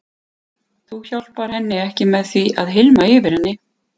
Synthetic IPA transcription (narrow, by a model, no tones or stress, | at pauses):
θuçawl̥paɾ̥hɛnːɪɛhcɪmɛðθviʔaðɦɪlmaɪːvɪɾ̥hɛnːɪ